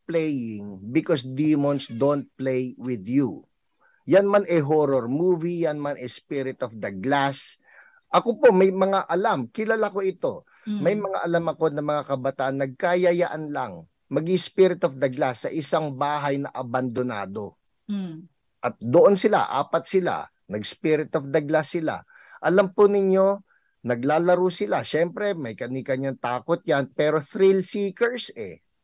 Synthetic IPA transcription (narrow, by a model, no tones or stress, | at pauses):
plɛjɪŋbɪkosd̪imonsd̪ont̪̚plejwɪd̪ju | janmanʔɛɦoɾoɾmuːvijanmanɛspiɾɪt̪ofd̪ɐɡlas | ʔɐkopo̞mɐjmɐŋaʔɐlamkɪlalako̞ʔɪt̪o̞ | mɐjmɐŋa̰ʔɐlamɐko̞nɐmɐŋakɐbɐt̪aːʔɐnːɐɡ̚kajɐjaʔɐnla̰ŋ | mɐɡɪspiɾɪt̪ofd̪ɐɡlasɐʔɪsaŋbaːɦɐjnɐʔɐbɐnd̪ona̰ːd̪o̞ | ʔɐt̪̚d̪oʔonsɪla̰ʔa̰ːpɐt̪̚sɪla̰ | nɐɡspiːɾɪt̪ofd̪ɐɡlasɪla̰ | ʔɐlampʊnɪɲːo̞ | nɐɡlaːlɐɾusɪlaʃɛmpɾɛmɐjkɐnikɐɲɐŋt̪aːkot̪̚janpɛːɾo̞θɾɪlsiːkɛɹsɛ̰